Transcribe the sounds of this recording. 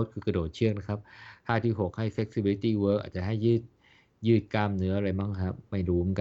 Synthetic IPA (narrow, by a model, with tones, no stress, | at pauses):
t̪̚kʰɯː˧ka˧doː˨˩t̪̚t͡ɕʰɯ˥˩ək̚na˦˥kʰa˦˥p̚haː˥˩t̪ʰiː˥˩ɦo˨˩k̚ha˥˩jfe˧˦˥k̚si˧bi˧li˦t̪iː˥˩wɤː˦˥kʔa̰ː˨˩t̪̚t͡ɕa˨ʔɦa˥˩jːɯː˥˩t̪̚ | jɯː˥˩t̪̚kaː˧mnɯ˧˦˥ɐʔa˧ɾa˧jbaː˥˩ŋkʰa˦˥ma˥˩jɾuː˦˥m˧˩˨ŋka˧